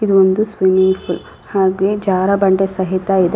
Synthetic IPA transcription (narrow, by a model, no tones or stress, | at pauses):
id̪uond̪usʋimiŋɡpʰul | haːɡed͡ʒaːɾɐbɐɳɖesɐɦit̪ɐid̪